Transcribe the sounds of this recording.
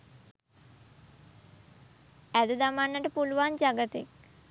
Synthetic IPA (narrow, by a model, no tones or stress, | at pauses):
æd̪əd̪amanːəʈəpuluʋand͡ʒaɡət̪ḛk